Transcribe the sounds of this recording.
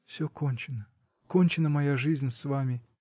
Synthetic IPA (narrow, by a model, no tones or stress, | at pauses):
fsʲokonʲt͡ɕɪnə | konʲt͡ɕɪnəmɐjaʐɨzʲnʲsvamʲɪ